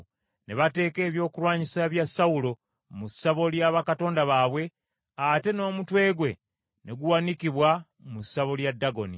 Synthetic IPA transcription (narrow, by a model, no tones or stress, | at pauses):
ne̞βate̞ːke̞ːβjo̞ːkulwaːɲisaβjasːaulo̞ | musːaβo̞ljaβakato̞ːndaβaːβwe̞ | ate̞no̞ːmutwe̞ːɡwe̞ | ne̞ɡuwanikiβwa | musːaβo̞ljadːaɡo̞ni